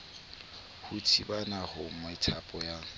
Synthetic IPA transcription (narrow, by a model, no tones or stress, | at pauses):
hutʰibanahʊmɔɪtʰapʼɔja